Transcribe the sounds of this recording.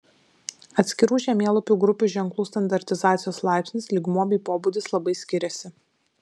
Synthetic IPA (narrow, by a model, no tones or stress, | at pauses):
ɐt̪ʲsʲkʲɪɾuːʒʲɛmʲeːlˠʊpʲuːɡɾʊpʲuːˑʒʲɛŋklˠuːst̪ɐnd̪ɐɾʲt̪ʲɪzɑːt̪sʲɪjoːslˠɑˑɪpʲsʲnʲɪslʲɪɡmuɔbʲiːpoːbud̪ʲɪslˠɐbɐɪsʲkʲɪɾʲɛsʲɪ